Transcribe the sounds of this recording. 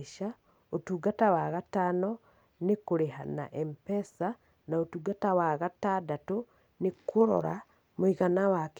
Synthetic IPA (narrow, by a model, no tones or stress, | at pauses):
ʃa | otuːɡatawaɣatanɔ | nekoɾeɦa̰na̰ʔɛmpɛsa | naotuːɡatawaɣatadato | nekoɾɔ̰ɾa | moiɣanawak